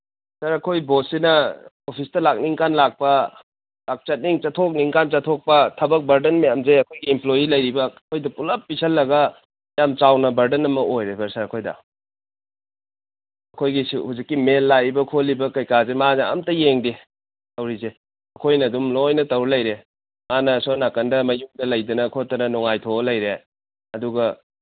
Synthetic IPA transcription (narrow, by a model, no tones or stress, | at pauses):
sɐɾɐkʰojbosinɐ | opʰistɐlak̚niŋkanlak̚pɐ | lak̚t͡ʃɐt̚niŋt͡ʃɐtʰok̚niŋkant͡ʃɐtʰok̚pɐtʰɐbɐk̚bɐɾdɐnmɐjamzeɐkʰojɡiːmplojilɐjɾibɐkʰojdɐpulɐpːisʰɐlːɐɡɐ | mjamt͡ʃawnɐbɐɾdɐnɐmɐʔojɾebɐɾsɐɾɐkʰojdɐ̰ | ɐkʰojɡisuhuzikːimelːajbɐkʰolːibɐkɐjkazemaneɐ̰mtɐjeŋdi | tɐwɾize | ɐkʰojnɐdumlojnɐtɐwɾelɐjɾe | manɐsonakɐndɐmɐjuŋdɐlɐjdɐnɐkʰotːɐnɐnɔŋajtʰolɐjɾe | ɐduɡɐ